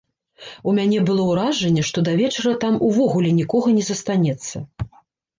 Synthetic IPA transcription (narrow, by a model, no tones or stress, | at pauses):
umʲanʲɛbɨlˠɔwɾaʐɛnʲːɛʂt̪ɔd̪ɐvʲɛt͡ʂɐɾɐt̪amuvɔɣulʲɛnʲikɔɣɐnʲɛzɐst̪anʲɛt̪sːɐ